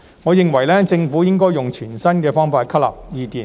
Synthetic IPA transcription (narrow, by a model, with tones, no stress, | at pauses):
ŋɔː˨˧jɪ˨ŋwɐ˨˩jlɛː˥t͡sɪ˧ŋfuː˨˥jɪ˥ŋkɔː˥jʊ˨ŋt͡ʃʰyː˨˩nsɐ˥nkɛː˧fɔː˥ŋfaː˧t̚kʰɐ˥lɐ̰˨p̚jiː˨˧t̪iː˨˩